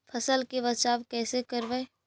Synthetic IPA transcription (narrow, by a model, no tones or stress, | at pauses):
fʰɐsəlkeʋɐt͡ʃaːʋkɛːsekɐɾʋɛː